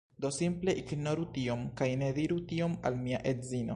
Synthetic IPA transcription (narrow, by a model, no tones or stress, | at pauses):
d̪osimple̞ʔiɡnoɾut̪iomkajned̪iɾut̪io̞ma̰lmiaʔetzino